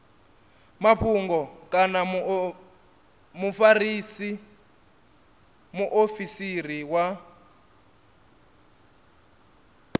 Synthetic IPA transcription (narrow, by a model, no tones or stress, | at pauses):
maɸʰuŋɡɔkʼana | mufarisi | muʔofisiriwa